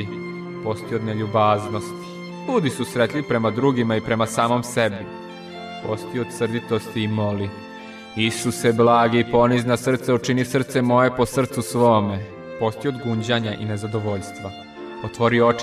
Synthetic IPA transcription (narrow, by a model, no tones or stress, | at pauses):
i | po̞st̪iod̪neʎubaːznost̪ | ʎuːd̪isusɾet̪lʎipɾe̞mad̪ɾuːɡimaipɾe̞masaːmo̞msebi | post̪iood̪sr̩d̪it̪ost̪iːmoli | isuseblˠaːɡiipo̞niznasr̩t̪seut͡ʂinifsr̩t̪se̞mo̞je̞po̞sr̩t̪susʋome | po̞st̪iod̪ɡuɲd͡ʑaɲaʔḭnezad̪oʋo̞ʎst̪ʋa | ot̪ʋo̞ɾioo